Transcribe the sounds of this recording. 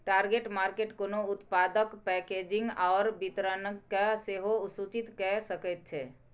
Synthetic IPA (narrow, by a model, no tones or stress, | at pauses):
ʈaɾɡeʈmaɾkeʈkonoʊt̪pad̪əkpɛked͡ʒiŋɡaːɾbit̪ɾənkːaseɦosut͡ʃit̪kɛsəkət̪̚t͡ʃʰɛ